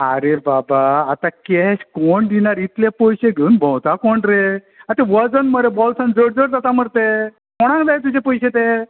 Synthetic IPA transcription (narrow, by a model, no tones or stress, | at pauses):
aɾebabaːt̪akɛɕkoɳd̪inaɾit̪ljapojɕeɡʱeunbʱə̃wt̪akɔɳɾe | at̪eʋəd͡zənməɾebɔlsãnd͡zəɽd͡zəɽd͡z̪at̪aməɽt̪e | kɔɽ̃ãŋkd̪ajt̪̬ud͡ʑepɔjɕet̪e